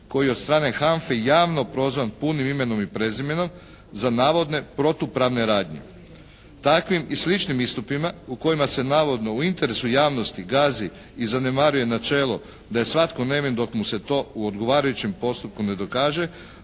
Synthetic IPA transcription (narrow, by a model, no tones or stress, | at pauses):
ko̞jijeo̞t̪st̪ɾaːne̞xaɱfejaːʋno̞pɾo̞zʋanpunimime̞no̞mipɾe̞zime̞no̞m | zanaːʋo̞d̪ne̞pɾo̞t̪upɾaʋne̞ɾaːd̪ɲḛ | t̪akʋimislit͡ʃnimist̪upimauko̞jimase̞naːʋo̞d̪no̞uint̪e̞ɾe̞sujaːʋnost̪iɡaːzi | izane̞maɾuje̞nat͡ʃe̞ːlˠo | d̪aje̞sʋat̪kone̞mind̪o̞kmuse̞t̪o̞ːuod̪ɡo̞ʋaːɾajut͡ɕimpo̞st̪up̚kune̞d̪o̞kaːʒe̞